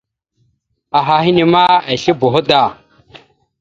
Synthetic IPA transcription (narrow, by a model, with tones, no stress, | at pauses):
a˨ɦa˨hi˦ni˨ma˦a˨ɬi˦bu˨ɦu˦ɗa˨